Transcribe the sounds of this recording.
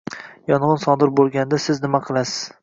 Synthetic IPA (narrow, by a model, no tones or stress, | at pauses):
jɒnʁɨnsɒd̪ɪɾbolˠɡʲand̪asɪznɪmaqʰɨlˠasɪ̥z̥